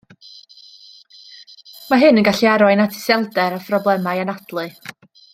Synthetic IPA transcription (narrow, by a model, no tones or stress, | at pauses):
maɦɨnənɡaɬiaɾɔɨnatʰɪ̥sɛlˠdɛɾafrɔblˠɛmajanad̥lˠɨ